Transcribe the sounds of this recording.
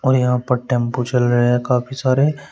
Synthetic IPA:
ɔːɾjɐɦãpɐɾʈɛ̃ːmpot͡ʃɐlɾɐɦeɦɛ̃kaːpʰisaːɾe

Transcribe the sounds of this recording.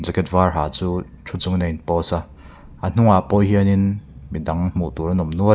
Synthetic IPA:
d͡zɛkɛtvarɦaːt͡suː | tʰut͡suŋnenpɔsa | ʔan̥uŋaʔpɔjɦiəninmidaŋm̥uʔt̪uɾanɔmnuə

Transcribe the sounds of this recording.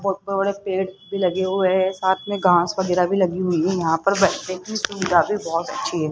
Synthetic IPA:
bɔt̪̚bbɐɽepeːɽbʱilɐɡeɦʊesaːt̪ʰmẽɡʱãːskɐɡɪɾabʱilɐɡiɦʊiɦɛjɐɦãpɐɾbɛʈnekisuʋɪd̪ʱabʱibɔːɔt̪ɐ̰tːʃʰiɦɛː

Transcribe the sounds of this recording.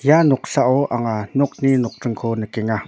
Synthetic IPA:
janɔk̚ɬaʔɔʔaŋanɔk̚ninɔk̚ʈ͡ʂəŋkʰonəkɛŋa

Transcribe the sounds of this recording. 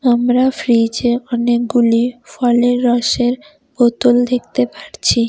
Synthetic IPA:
amɾafɾid͡ʑeɔnek̚ɡulifɔleɾːɔʃeɾ | bot̪old̪ek̚t̪epaɾt͡ɕʰi

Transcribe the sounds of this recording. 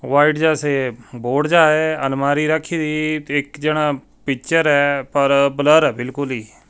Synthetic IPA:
ʋaːiːʈd͡ʒɛːseːboːɖd͡ʒaːeːənmaːɾiːɾəkʰːiːd̪iːɪkd͡ʒeːɽ̃aː | pɪkt͡ʃəɾɛːpəɾbələɾɛːbɪlkʊliː

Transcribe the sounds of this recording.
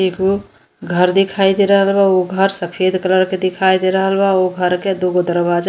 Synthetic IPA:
eko | ɡʱəɾd̪ɪkʰaːid̪eɾəɦəlbaoɡʱəɾsəpʰeːd̪ʱkələɾked̪ɪkʰaːid̪eɾəɦəlbaoɡʱəɾked̪oɡod̪əɾbaːd͡ʒ

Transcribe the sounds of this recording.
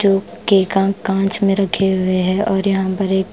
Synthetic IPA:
d͡ʒoː | keːkãːkãːt͡ʃmẽɾɐkʰeɦʊeɦɛʔɔːɾjɐɦãpɐɾeːk

